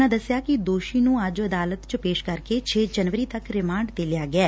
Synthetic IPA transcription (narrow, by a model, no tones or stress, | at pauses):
ãːd̪əsɪjaːkɪd̪oːʃiːnũːəd͡ʒəd̪aːlət̪t͡ʃpeːʃkəɾkeːt͡ʃʰeːd͡ʒənʋəɾiːt̪əkɾɪmãːɳɖd̪eːlɪjaːɡɪɛː